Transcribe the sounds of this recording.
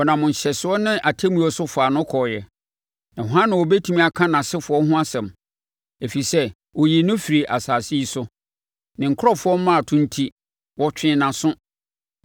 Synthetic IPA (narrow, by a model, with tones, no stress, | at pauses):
ɔ˨nã˨mʊ̃˨n˨ɕɛ˨sɪ˨ɔ˦nɪ̃˦ʔa˨tʰe˦mũ˦ɔ˦sʊ˦fʊ˨a˨nʊ̃˦kʰɔ˨jɛ˨ | nã˨hɔ˨ɦã˦nɪ̃˨wɔ˨bɛ˦tʰũ˦mĩ˦˨a˨kʰã˦nã˨sɪ˦fʊ˨˦ɔ˦hʊ̃˦a˦sɛ̃˨m | e˨fi˨sɛ˦ | wɔ˨ji˨nʊ̃˦fi˨ɾi˨ʔa̰˨saː˨si˦i˦sʊ˦ | nɪ̃˨ŋ̩˨kʰɾɔ˦fʊ˨˦ɔ˦m˦nã˦a˨tʰʊ̃˦n̩˦tʰi˦ | wʔɔ˦t͡ɕᶣɪ̃˦nã˨sʊ̃˦